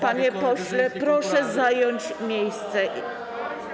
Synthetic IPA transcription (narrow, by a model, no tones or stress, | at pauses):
paɲɛpɔɕlɛpɾɔʂɛzajɔɲt͡ɕ | mʲjejst̪sɛ